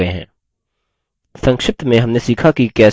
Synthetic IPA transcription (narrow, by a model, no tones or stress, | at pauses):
əeɦɛ̰̃ː | sɐ̃ŋkʃɪft̪mẽɦɐmnesiːkʰakikɛː